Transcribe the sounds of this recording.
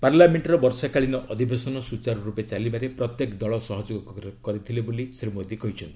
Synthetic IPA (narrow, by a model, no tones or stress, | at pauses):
paɾlameɳʈɾɔbɔɾsakaɭinɔʔɔd̪ʱibesɔnɔsut͡ʃaɾɔɾupet͡ʃalibaɾepɾɔt̪jekd̪ɔɭɔsɔɦɔd͡ʒoɡɔkɔkɔɾit̪ʰilebolisɾimod̪ikɔɦjt͡ʃʰɔnt̪i